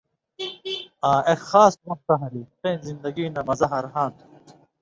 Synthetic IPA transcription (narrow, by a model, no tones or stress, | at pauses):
aːexaːsmɐk̚t̪ɐɦɐɾiteːnzind̪ɐɡiːnɐmɐzɐɦɐɾɦaːnt̪ʰu̥